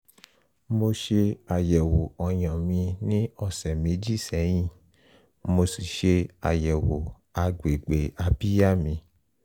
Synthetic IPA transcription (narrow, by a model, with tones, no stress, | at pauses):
mo˧ʃe˧a˨jɛ˨wo˨ɔ˨j̃ã˨mĩ˧nĩ˦ɔ˧sɛ˨mẽ˨˦d͡ʒi˦˨sɛ˨˦j̃ĩ˦˨ | mo˧si˨ʃe˧a̰˨jɛ˨wo˨ | a˧ɡ͡be˨ɡ͡be˨a˧bi˦ja˦˨mĩ˧